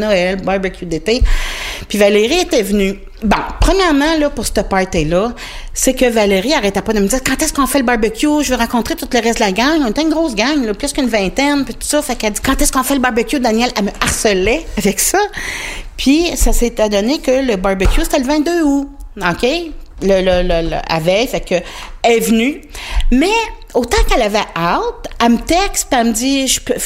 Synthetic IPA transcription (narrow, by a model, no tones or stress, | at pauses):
nɔɛlbabəkʲjud̪et̪epɥivaleʁiet̪ɛvny | bɔ̰̃pχəmjɛʁmɑ̃lɔpʊʁst̪əpɑɹt̪elʌ | sekəvaleʁiaʁɛt̪ɛpɔd̪əməd͡zziːʁkɑ̃t̪ɛskɔ̃fɛləbɑʁbəkʲjuʒəvɛʁɑ̃kɔ̃t̪ʁet̪ut̪ləʁɛs̬td̪əlaɡaŋɔ̃et̪ɛnɡʁɔʊsɡaŋlɔplʏskynvɛ̃t̪ɛnpit̪u̥sɔfakad͡z̪i̥kɑ̃t̪ɛskɔ̃fɛləbɑʁbɛkʲjud̪anjɛlaməaʁsəlɛavɛksʌ | pʰɥisaset̪ɛd̪ɔnekʲələbaʁbɛkʲjuse̥t̪ɛləvɛ̃t̪̚d̪øuɔkʰʲe | lələləl̰a̰vɛjfɛkːəɛvnymɛ | ot̪ɑ̃kɛlavɛʔat̪amət̪ɛkspiaməd͡ziʒpø